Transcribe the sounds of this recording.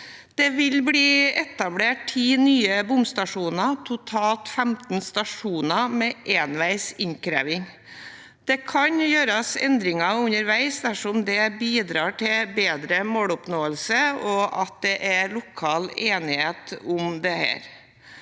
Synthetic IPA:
d̪̥ɛʋɪlbliːɛt̪ɑbleːʈtʰiːnyːəbʊmst̪ɑʂuːnɑt̪ʰʊt̪ʰɑːlt̪fæmt̪n̩st̪ɑʂuːnɑmɛʔeːnʋæɪsɪŋkɾæ̰ːʋɪŋ | d̪̥ɛkʰɑɲjøːɾɑsɛ̰nd̪ɾɪŋɑʉɲəɾʋæɪsd̪æʂɔmd̪ɛbiːd̪ɾɑːʈʰɪbeːd̪ɾəmoːlʊpnoːəlsəɔʔɑt̪̚d̪ɛʔælʊkʰɑːleːnɪheːt̪ʊmd̪ɛhæ̰ːɾ

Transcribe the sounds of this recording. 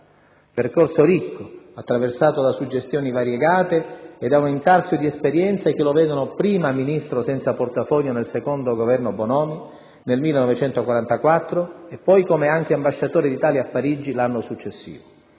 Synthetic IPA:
perkorsoɾikʰːoat̪ːɾaversaːt̪od̪asud͡ʒːest̪jɔːnivaɾjeɡaːt̪eɛd̪aumint̪arsjod̪iɛspeɾjɛnt̪sek̟elovɛːd̪onopɾiːmaminist̪ɾosɛnt̪saport̪afɔʎːonelsekond̪oɡovɛrnobonɔːmi | nelmilːenɔvet͡ʃɛnt̪okwaɾant̪akwat̪ːɾoepːɔjkomeaŋk̟eambaʃːat̪oːɾid̪it̪aːljaapːaɾid͡ʒːilanːosut͡ʃːesːḭːvo

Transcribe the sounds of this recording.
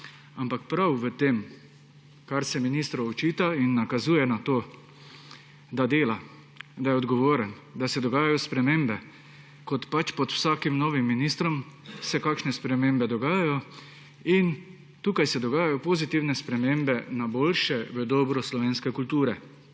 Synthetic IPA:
ampakpɾawʋət̪eːm | kaɾsɛminist̪ɾɔɔt͡ʃiːt̪ainːakazuːjɛnat̪oː | d̪ad̪eːla | d̪ajɛɔd̪ɡɔʋoːɾən | d̪asɛd̪ɔɡaːjajɔspɾɛmeːmbɛ | kɔt̪pat͡ʃpɔt̪wsaːkimnɔːʋimːinist̪ɾɔmsɛkaːkʃnɛspɾɛmembɛd̪ɔɡaːjajɔ | in | t̪uːkajsɛd̪ɔɡaːjajɔpozit̪iwnɛspɾɛmeːmbɛnaboːlʃɛʋəd̪ɔːbɾɔslɔʋeːnskɛkult̪uːɾɛ

